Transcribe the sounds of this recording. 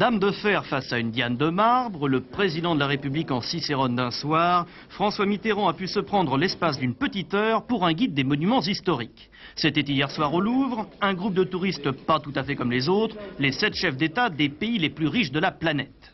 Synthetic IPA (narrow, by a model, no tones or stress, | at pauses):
d̪amd̪əfɛʁfasaynd̪jand̪əmaʁbʁələpχezid̪ɑ̃d̪əlaʁepyblikɑ̃siseʁɔnd̪ɛ̃swaːʁ | fχɑ̃swamit̪eʁɑ̃apysəpχɑ̃d̪ʁəlɛspas̬d̪ynpət̪it̪œːʁpuʁɛ̃ɡʲid̪ːemɔnymɑ̃zist̪ɔʁik | set̪ɛt̪ijɛʁswaʁoluvʁɛ̃ɡʁup̚d̪ət̪uʁist̪pat̪ut̪afɛkɔmlezot̪χlesɛt̪ʃɛfd̪et̪ad̪epeileplyʁiʃd̪əlaplanɛt̪